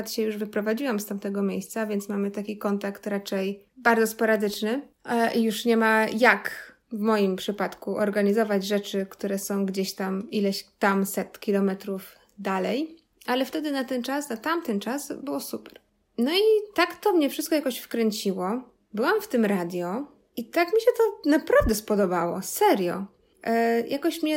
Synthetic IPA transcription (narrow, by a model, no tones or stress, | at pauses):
t̪ɕɛjuʐvɘpɾɔvad͡ʑiwamst̪amt̪ɛɡɔmʲjejst̪savʲjeɛnt̪smamɘt̪akʲikɔnt̪akt̪ɾat͡ʂɛj | baɾdzɔspɔɾad̪ɘt͡ʂnɘʔijuʂɲɛmajak | vmɔjimpʂɘpat̪kuʔɔɾɡaɲizɔvad͡ʑʐɛt͡ʂɘkt̪uɾɛsɔ̃w̃ɡd͡ʑeɕt̪amilɛɕt̪amsɛt̪kʲilɔmɛt̪ɾuv | d̪alɛj | alɛft̪ɛd̪ɘnat̪ɛnt͡ʂasnat̪amt̪ɛnt͡ʂasbɘwɔsupɛ̥ɾ | nɔit̪akt̪ɔmɲɛfʂɘst̪kɔjakɔɕfkɾɛɲt͡ɕiwɔ | bɘwamft̪ɘmɾad̪ʲjɔ | it̪akmʲiɕɛt̪ɔnapɾavd̪ɛspɔd̪ɔbawɔ̰sɛɾjɔ̰ | jʔakɔɕmɲɛ